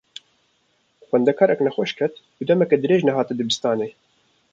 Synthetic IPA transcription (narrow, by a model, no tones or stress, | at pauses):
xwɛnd̪ɛkʰɑːɾɛknɛxwɛʃkʰɛt̪ | ud̪ɛmɛkɛd̪ɨɾeːʒnɛɦɑːt̪ɨd̪ɨbɨst̪ɑːneː